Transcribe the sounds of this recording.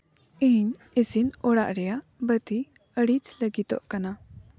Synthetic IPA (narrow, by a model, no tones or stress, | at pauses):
iɲ | isinɔɽaʔɾɛjaʔ | bət̪i | əɽit͡ʃləɡit̪ɔ̰ʔkana